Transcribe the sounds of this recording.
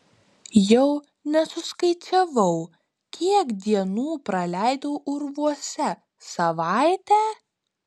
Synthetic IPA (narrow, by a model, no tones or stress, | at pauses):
jɛʊ | nʲɛsʊskɐɪt͡ʃʲɛʋɐʊ | kʲiɛkd̪ʲiɛnuːpɾɐlʲæɪd̪ɐʊʔʊɾʋuɔsʲɛ | sɐʋɑɪt̪ʲæː